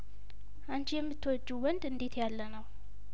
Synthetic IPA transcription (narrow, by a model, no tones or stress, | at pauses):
ʔant͡ʃʰijɛmːɨt̪ʰːəwɔd͡ʒːuwɔnd̪ɨnd̪e̞t̪ʰjalːənəw